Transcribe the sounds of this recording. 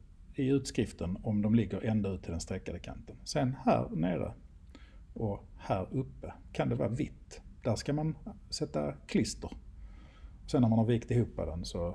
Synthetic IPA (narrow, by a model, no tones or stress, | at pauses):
ɪʉ̟ːt̪skɾɪft̪ənɔmd̪ɔmlɪɡːəɾʔɛnd̪aʉːt̪ʰɪld̪ɛnst̪ɾɛkːad̪əkʰa̰nt̪ənsɛnhæ̰ːɾneːɾə̰ | ɔhæːɾɵpːəkʰand̪ɛvɑ̰ːavɪt̪ːd̪̥æʂkamansɛt̪ːa̰kʰlɪst̪əɾ | ɔsɛnːamanhɑɾviːkt̪ɪhuːpːɑ̰vd̪ɛnsɔ